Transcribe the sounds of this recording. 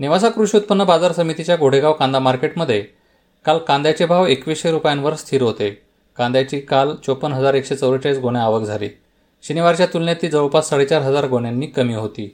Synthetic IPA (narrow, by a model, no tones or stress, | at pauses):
neʋas̬akɾuɕut̪̚pənːəbad͡zaɾsəmit̪it͡ɕjaɡoɽ̤eɡaʋkãnd̪amaɾkeʈməd̪ʱːje | kalkãnd̪jat͡ɕebʱaʋekʋiseɾupjanʋəɾst̪ʰiːɾɦot̪e | kãnd̪jat͡ɕiːkalt͡ɕopənɦəd͡zaɾekɕet͡səwət͡ɕat͡sɡoɽ̃jaːʋəkd͡zʱalḭː | ɕiniʋaɾt͡ɕjat̪ulnjat̪iːd͡zəʋəpasːaɽet͡ɕaɾɦəd͡zaɾɡoɳ̃janːiːkəmiːɦot̪iː